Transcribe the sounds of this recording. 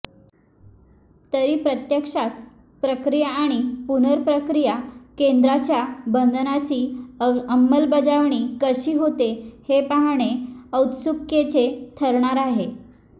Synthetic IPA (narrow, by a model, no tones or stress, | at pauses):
t̪əɾiːpɾət̪jəkʂat̪ | pɾəkɾijaːɽ̃ipunəɾpɾəkɾijakend̪ɾat͡ɕjabənd̪nat͡ɕiːəmːəlbəd͡zaʋɳ̃iːkəɕiːɦot̪ehepaɦɽ̃eəwt̪sukjet͡ɕet̪ʰəɾɳaɾaɦe